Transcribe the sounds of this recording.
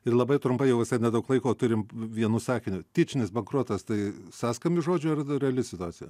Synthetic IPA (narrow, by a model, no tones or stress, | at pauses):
ɪrlˠɐbɐɪt̪ɾʊmpɐɪjɛʊʋʲɪsɐɪnʲɛd̪ɐʊklˠɐɪkoːt̪ʊɾʲɪmʋʲiɛnuːsɑːkʲɪnʲʊt̪ʲɪt͡ʃʲɪnʲɪsbɐŋkɾuːt̪ɐst̪ɐɪsɑːskɐmʲɪʒoːd͡ʒʲʊɐrɾʲɛɐlʲɪsʲɪt̪ʊɑːt͡sʲɪjɛ̰